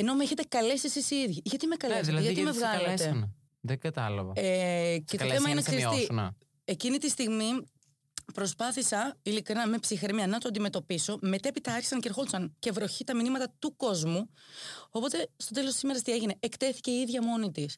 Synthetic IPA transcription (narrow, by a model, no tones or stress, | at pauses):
eno̞meçet̪e̞kɐlesisisiiðʝiʝɐt̪imekɐleðlɐeʝɐimevɣɐlet̪e | ðeɡɐt̪ɐlɐ̰vɐecetoemɐinɐksesinɐ | e̞cinit̪ist̪iɣmi | pɾo̞spɐθisɐilikɾinɐme̞psixɾemiɐnɐt̪oɐnd̪ime̞t̪o̞piso̞me̞t̪ɐepit̪ɐɐɾçi̥sɐŋce̞ɾxolsɐŋce̞vɾo̞çit̪ɐminimɐt̪ɐt̪uko̞zmuo̞po̞t̪e̞st̪o̞t̪e̞lo̞st̪i̥sime̞ɾɐst̪ie̞ʝine̞ekt̪e̞θi̥ce̞iiðʝɐmo̞nit̪is